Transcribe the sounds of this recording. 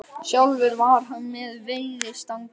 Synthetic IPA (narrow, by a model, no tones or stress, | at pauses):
sjawlvʏɾvaɾ̥ɦanːɛðveːjðɪst̪aŋk